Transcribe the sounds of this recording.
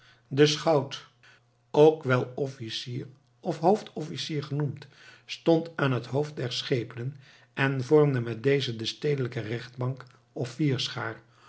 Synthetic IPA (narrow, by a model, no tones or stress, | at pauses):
dəsχɑwt | owkʋɛlˠɔfisiːr | ɔfɦowftɔfisiːɹχənumt | stɔntaːnɦətɦowft̚dɛɹsχejpənən | ɛnvɔɹmdəmɛt̚dejzədəstejdələkərɛχd̚bɑŋk | ɔffiːɹsχaːɹ